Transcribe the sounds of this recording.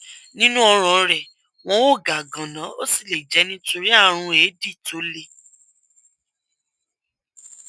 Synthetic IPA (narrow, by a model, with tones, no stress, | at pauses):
nĩ˦nũ˦ɔ˧ɾ̃ɔ̃˨ɾɛ˨ | w̃ɔ̃˧wo˦˨ɡa˨ɡã˨nã˨˦o˦si˦˨le˨d͡ʒɛ˨˦nĩ˦to˧ɾi˦a˦˨ɾ̃ũ˧e˨˦di˦˨to˨˦le˦˨